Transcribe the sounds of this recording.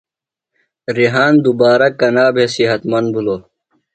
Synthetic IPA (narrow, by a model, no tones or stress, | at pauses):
ɾiɦaːnd̪ubaːɾɐkɐnaːbʱesiɦɐt̪mɐnbʱuloː